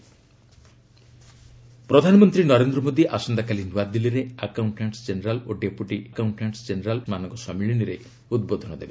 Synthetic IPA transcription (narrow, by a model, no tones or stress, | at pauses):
pɾɔd̪ʱanɔmɔnt̪ɾinɔɾend̪ɾɔmod̪iʔasɔnd̪akalinuwad̪iliɾeakawɳʈaɳʈsd͡ʒeneɾaloɖepuʈikawɳʈaɳʈsd͡ʒeneɾalmanɔŋɡɔsɔmiɭiniɾe | ud̪̚bod̪ʱɔnɔd̪ebe